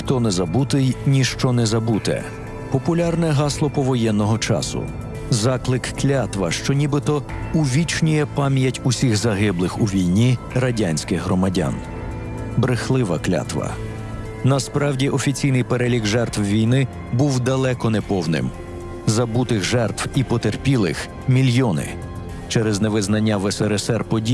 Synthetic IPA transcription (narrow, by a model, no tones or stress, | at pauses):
xt̪ɔnɛzɐbut̪ɪjnʲiʃt͡ʃɔnɛzɐbut̪ɛ̰ | pɔpʊlʲarnɛɦɑslˠɔpɔʋɔjɛnːɔɦɔt͡ʃɑ̰sʊ̰ | zɑklˠɪkklʲat̪ʋɐʃt͡ʃɔnʲibɪt̪ɔ | uʋʲit͡ʃnʲijɛpɑmʲjɐtʲusʲixzɐɦɪblˠɪxuʋʲijnʲirɐdʲanʲsʲkɪxɦɾɔmɐdʲa̰n | bɾɪxlˠɪʋɐklʲa̰t̪ʋɐ̰ | nɐspɾɑwdʲiʔɔfʲit͡sʲijnɪjpeɾelʲiɡʒɛrt̪wʋʲijnɪ | buwd̪ɐlˠɛkɔnɛpɔwnɪ̰m | zɐbut̪ɪxʒɛrt̪wipɔt̪erpʲilˠɪ̰x | mʲilʲjɔnɪ̰ | t͡ʃɛɾɛznɛʋɪznɐnʲːɐʋesɛɾesɛrpɔdʲi